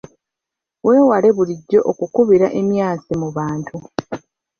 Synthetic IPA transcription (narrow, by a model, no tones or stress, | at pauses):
we̞ːwale̞βuliɟːo̞ʔokukuβiɾaʔe̞mjaːsimuβaːntʰu